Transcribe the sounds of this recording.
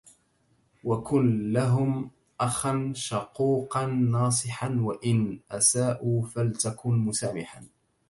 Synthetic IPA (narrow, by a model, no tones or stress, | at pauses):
wakʊnlaɦʊm | ʔaxanʃɑquːqɑnːɑːs̬ˤɨħanwaʔɪnʔasaːʔuːfalt̪akʊnmʊsaːmɪħa